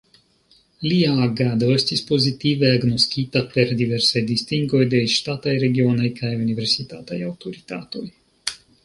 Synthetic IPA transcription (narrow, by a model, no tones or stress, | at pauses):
lʲiaɡad̪ɔsʲt̪ʲispɔzʲit̪iːvaɡnɔskʲit̪apɛɾd̪ʲivʲɛɾsajd̪ist̪iŋɡɔjd̪ɛjʃt̪at̪ajɾɛɡʲiɔnajkʰajunivʲeɾsʲit̪a̰ːt̪a̰jawt̪ɔɾit̪a̰ːt̪oj